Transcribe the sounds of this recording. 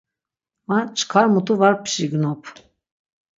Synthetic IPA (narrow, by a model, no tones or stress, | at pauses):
mat͡ʃʰʼkʰaɾmut̪ʰʼuvaɾpʰʃiɡnɔpʰ